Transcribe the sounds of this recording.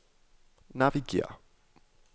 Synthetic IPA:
naviɡḭə̰

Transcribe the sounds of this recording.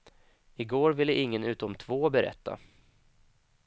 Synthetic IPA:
ɪɡoːɾvɪlːəʔɪŋːənʉ̟ːt̪ɔmt̪ʰv̥oːbɛɾɛ̰t̪ːa̰

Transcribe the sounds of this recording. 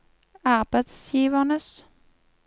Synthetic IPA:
ɑʁbəd̪sjiːʋəʁnəs

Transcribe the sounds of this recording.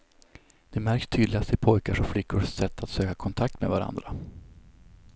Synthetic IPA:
d̪̥ɛmæɾkst̪ʰyːd̪lɪɡast̪ɪpʰɔjkaʂɔflɪkʰːʊʂsɛt̪ʰːat̪søːkakʰɔnt̪ʰak̚t̪mɛ̰vaɾa̰nd̪ɾa

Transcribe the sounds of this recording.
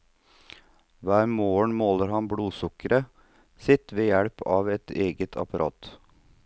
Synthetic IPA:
ʋæːɾmoːəɳmoːləɾhɑnbɽuːsʊkəɾʔə | sɪt̪ʋeːjæɽpʰɑːʋɛt̪eːɡət̪ʰɑ̰pɑɾʔɑ̰ːt̪

